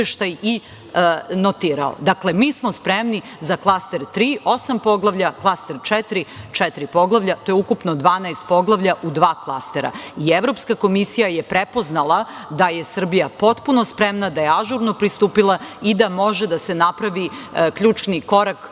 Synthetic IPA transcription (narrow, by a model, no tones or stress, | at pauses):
eʃt̪aji | not̪iːɾa̰o̰d̪akle̞miːsmo̞spɾemni | zaklˠast̪e̞ɾt̪ɾiːʔo̞sampo̞ɡlˠaʋʎaklˠast̪e̞ɾt͡ʃɛt̪ɾit͡ʃɛt̪ɾipo̞ɡlˠaʋʎat̪ojeukupnod̪ʋaːnaest̪̚poɡlˠaʋʎaʔud̪ʋaːklˠast̪eɾa̰ieʋvɾo̞pskako̞misijajepɾepo̞znalˠad̪aje̞sr̩bijapo̞t̪puno̞spɾemnad̪ajeaʒuɾno̞pɾist̪uːpilˠaid̪amo̞ʒed̪ase̞napɾaʋikʎʲuːt͡ʃniko̞ɾak